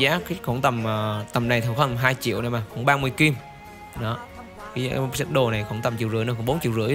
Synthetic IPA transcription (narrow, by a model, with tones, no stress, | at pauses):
aː˨˦kxo˧˦ŋt̪ə˨˩mː˨˩t̪ə˨˩mna˨˩jt̪ʰə˨˧˩wxəː˧n˨˩ɦaː˧jt͡ɕḭ˧˨əwʔna˨˧˩maː˨˩kʊ̰˧˥˦ŋ͡mɓaː˧mɨ˧əjki˧m | ɗɔ˨˦ | kaː˨˦jsa˦˥t̚ɗo˨˩na˨˩jxo̰˧˩˦ŋt̪ə˨˩mt͡ɕi˧˨wzɨ˧˥nɨ˧kːŋ͡mɓo˨˦nt͡ɕḭ˧˨wzɨ̰˧˥əj